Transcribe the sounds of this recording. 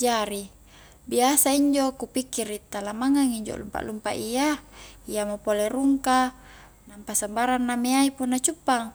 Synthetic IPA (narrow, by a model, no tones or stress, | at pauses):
d͡ʒaɾi | biasaiɲd͡ʒokupikːirit̪alamaŋaŋiɲd͡ʒo̰lṵmpa̰ʔlumpa̰ʔijaijamopoleɾuŋka | nampasambaɾanːameaipunːat͡ʃupːaŋ